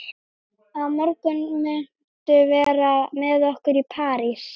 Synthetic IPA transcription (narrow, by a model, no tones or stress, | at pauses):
aðmɔɾkʏnmɛ | t̪ʏvɛːɾamɛðɔhkʏɾipʰaːɾis